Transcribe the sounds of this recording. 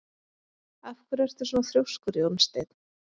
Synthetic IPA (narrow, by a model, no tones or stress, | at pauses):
afkvʏɾvɛɾ̥t̪ʏ̥sunaθɾjowskʏɾjownst̪ejt̪n